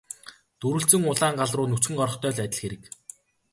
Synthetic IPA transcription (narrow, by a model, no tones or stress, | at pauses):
t̪uɾɵ̆ɬt͡sɘ̆ŋʊɮaːŋɢaɮrʊːnɵt͡sxɘ̆ŋɢɔɾɞ̆χt̪ʰœːɮæt̪ʲɪ̆ɮxeɾɘ̆k